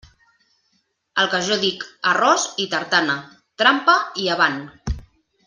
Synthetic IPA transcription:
əlˠkəʒɔðikərɔzit̪əɾt̪anə | t̪ɾampəiaβ̞an

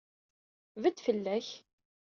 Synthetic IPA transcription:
vəd̪fəlːæç

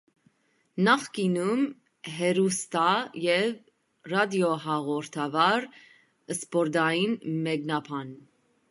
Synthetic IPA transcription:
nɑχkinum | ɦɛɾust̪ɑjɛv | rɑd̪jɔɦɑʁɔɾt̪ʰɑvɑɾ | əspɔɾd̪ɑjinmɛknɑpʰɑn

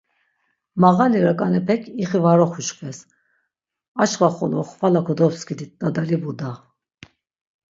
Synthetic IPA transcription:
maɣaliɾakʼanɛpʰɛkʰiχivaɾɔχuʃkʰvɛs | at͡ʃχaχɔ̰lɔχvalakʰɔd̪ɔpskʰid̪it̪̚d̪ad̪alibud̪a

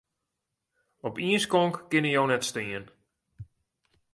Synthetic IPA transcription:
ɔpiənskɔŋkkɪnəjownɛtstɪən

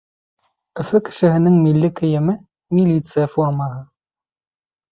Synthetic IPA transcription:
ɘ̆sɘkɘ̥ʃɘ̆ɦɘ̆nɘŋmilːɘkʰɘjɛmɘ | mʲilʲit̪sɨjɐformɑʁə

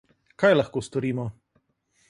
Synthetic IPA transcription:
kajlɐxkoːst̪ɔɾiːmɔ

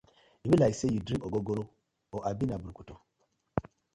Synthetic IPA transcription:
ibilaisejudɾiŋoɡoɡoɾo | oʔabinabuɾkuto

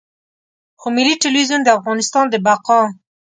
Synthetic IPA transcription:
xomɪliʈɪlwizund̪əafɣɑnɪst̪ɑnd̪əbaqɑ

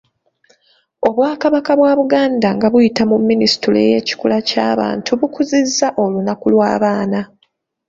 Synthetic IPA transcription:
o̞βwaːkaβakaβwaːβuɡaːndaŋɡaβujitamumːinisi̥tuleje̞ːci̥kulaca̰ːβa̰ːntʰuβukuzizːaʔo̞lunakulwa̰ːβaːna

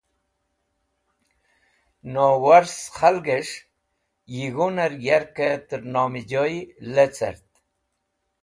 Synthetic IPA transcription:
nowaɾsχalɡeʂ | jiɣunaɾjaɾket̪əɾnoːmid͡ʑoilet͡sa̰ɾt̪

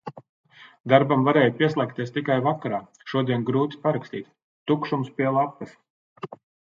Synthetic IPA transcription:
d̪aɾbamvaɾɛːjpiɛslˠɛk̚t̪iɛst̪ikajvakaɾaː | ʃuɔd̪iɛnɡɾuːt̪i̥paɾakst̪iːt̪ | t̪ukʃumspʲiɛlˠapːɐs

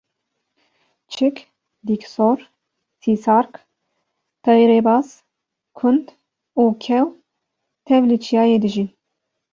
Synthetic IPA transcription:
t͡ʃʰɪk | d̪iksoɾ | sisɑɾk | t̪ʰɑjɾebɑs | kʰʊnd̪ | ukʲʰɛw | t̪ʰɛvlet͡ʃʰijɑːjed̪ɨʒi

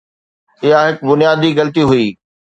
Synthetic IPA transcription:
ɪjaɦɪkbʊnijaːd̪iɣɐlət̪iɦʊiː

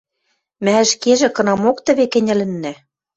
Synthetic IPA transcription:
mæə̆ʃkeʒĕkɤ̆nɑmokt̪ɘ̆βekɘ̆nʲɘ̆lɘ̆nːæ

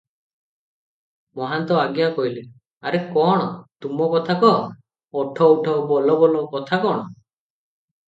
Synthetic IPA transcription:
mɔɦant̪ɔaɡjakɔjle | aɾekɔɽ̃ɔt̪umɔkɔt̪ʰakɔɦɔ | ɔʈʰɔwʈʰɔbɔlɔbɔlɔkɔt̪ʰakɔɽ̃ɔ

